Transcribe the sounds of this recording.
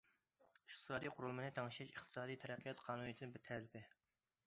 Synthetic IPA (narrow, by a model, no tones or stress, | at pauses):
iχt̪ʰɨ̥sɑːd̪ijqʰʊɾulˠmɨnɨt̪ʰɑŋʃɛʃiχt̪ʰɨ̥sɑːd̪ijt̪ʰɛɾæqʰːijɑt̪qʰɑːnunijt̪ʰnɨbɪt̪ʰɛlɪpɪ